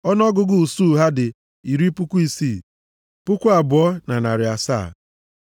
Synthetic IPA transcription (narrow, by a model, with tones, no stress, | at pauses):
ɔ˦n˦ɔ˦ɡʊ˦ɡʊ˦˨su˦˨ɦa˦dɪ˨ | i˨ɾi˦pʊ˦ku˦i˦siː˦˨ | pʊ˦kʷu˦a˨bʊ˨ɔ˦na˨na˨ɾɪ˨a˨sa̰ː˦˨